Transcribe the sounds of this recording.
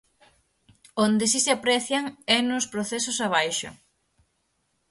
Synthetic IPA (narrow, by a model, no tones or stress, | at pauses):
ond̪ɪsiseapɾɛθjaŋɛnospɾoθɛsosaβ̞ajʃʊ̰